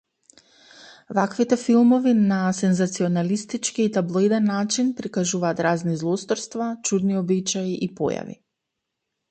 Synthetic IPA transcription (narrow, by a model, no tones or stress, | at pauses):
vakvit̪ɛfilˠmɔvinasɛnzat̪siɔnalist̪it͡ʃkiːt̪ablˠojd̪ɛnːat͡ʃinpɾikaʒuvaːt̪ɾaznizlˠɔst̪ɔɾst̪vat͡ʃud̪niɔbit͡ʃaiʔipɔ̰ja̰vḭ